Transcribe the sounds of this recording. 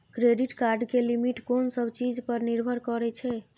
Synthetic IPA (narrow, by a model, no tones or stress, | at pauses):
kɾeɖiʈkaɾɖkelimiʈkonsəbt͡ʃid͡ʒpəɾniɾbʱəɾkɔɾɛt͡ʃʰɛ